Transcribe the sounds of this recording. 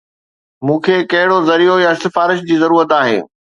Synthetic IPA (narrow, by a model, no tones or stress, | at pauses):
mũːkʰeːkɐɦɪɽozɐɾijojaɪst̪ɪfaːɾɪʃd͡ʑiːzɐɾuːɾət̪aːɦɪ̰ː